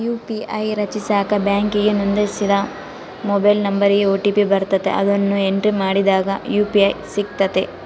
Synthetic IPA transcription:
juːpiɐjɾɐt͡ʃisaːkɐbjaːŋkiɡenund̪ɐsid̪ɐ | mobɐjlnɐmbɐɾiɡeoːʈipibɐɾt̪ɐt̪ḛʔɐ̰d̪ɐnːue̞ɳʈɾimaːɽid̪aːɡɐjuːpiɐjsik̚t̪ɐt̪e

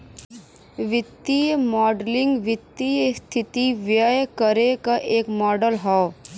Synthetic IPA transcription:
ʋɪt̪ːijmɔːɖlɪ̃ŋɡʋɪt̪ːijəst̪ʰɪt̪iʋjəjkəɾekaʔeːkmɔːɖəlɦɔː

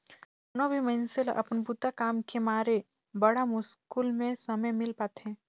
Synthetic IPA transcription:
nobʱimənsɪlʔɐ̰pnbut̪akaːmkemaːɾe | bɐɽamʊskuːlmẽsɐməjmɪlpaːt̪ɦɛ̃ː

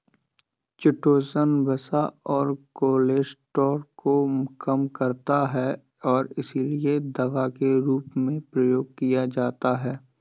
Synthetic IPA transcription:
t͡ʃɪʈoːsənbɐsaɔːɾkoːleːsʈɔːɾkokɐmkɐɾt̪aɦɛ | ɔːɾɪsilied̪ɐʋakeɾuːpmẽpɾɐjoːɡ̚kijad͡ʒaːt̪aɦɛː

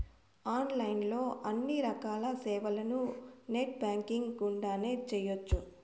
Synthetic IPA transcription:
aːnlɐjnlo̞ːʔɐnːiɾɐkaːlɐsɛːʋɐlɐnuneːʈ̚baːŋkiŋɡɡuɳɖaːne̞ːt͡ʃɛjot͡ʃːu

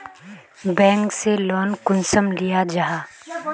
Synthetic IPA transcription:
bɛ̃ːŋkselɔːnkʊnsəmlijad͡ʒaɦaː

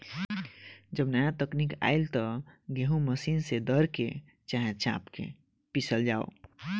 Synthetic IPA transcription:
d͡ʒəbnajãt̪əknika̰ːɪlt̪ɔɡeɦũməsiːnsed̪əɾke | t͡ʃaɦet͡ʃa̰ːpkḛ | pisəld͡ʒaːo̰

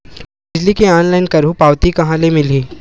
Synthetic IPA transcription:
bɪd͡ʒlikeɔːnlaɪnkɐɾũpaːʋt̪ikɐɦãlemɪliː

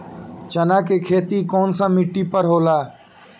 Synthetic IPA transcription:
t͡ʃənakekʰeːt̪ikɔːnsamɪʈːipəɾɦoːlaː

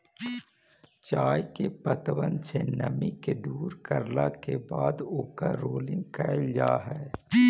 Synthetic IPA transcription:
t͡ʃaːjkepət̪ʋənsenɐmiked̪uːɾkɐɾlakebaːd̪ʊkaɾoːlɪ̃ŋɡkɛːld͡ʒaːɦɛː

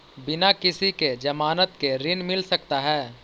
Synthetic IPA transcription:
bɪnakɪsiked͡ʒɐmaːnət̪keɾɪnmɪlsɐkt̪aɦɛː

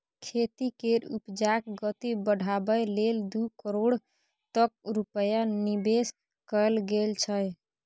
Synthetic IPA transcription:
kʰet̪ikeɾupd͡ʒakɡət̪ibəɽʱabəjleld̪ukəɾoɽ | t̪ək̚ɾupəjanibes | kəlɡelt͡ʃʰəj

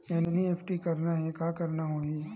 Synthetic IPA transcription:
enenieːpʰʈikɐɾnaɦɛkaːkɐɾnaɦoːi

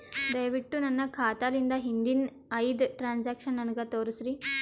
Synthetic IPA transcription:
d̪ɐjɐʋiʈːunɐnːɐkʰaːt̪aːlind̪ɐɦind̪in | ɐjd̪ʈɾaːnsaːkʂɐnːɐnukɐt̪oːɾusɾi

